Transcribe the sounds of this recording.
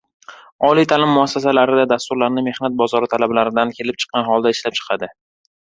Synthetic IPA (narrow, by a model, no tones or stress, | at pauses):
ɒlijt̪ʰalɪmːʊasːas̬alaɾɪd̪ad̪ast̪ʊɾlaɾnɪme̞hnat̪̚bɒzɒɾɪt̪ʰalablaɾɪd̪ankʲʰe̞lɪp̚t͡ʃʰɨ̥qːɑnɦɒlˠd̪aɪʃlap̚t͡ʃʰɨ̥qʰɑd̪ɪ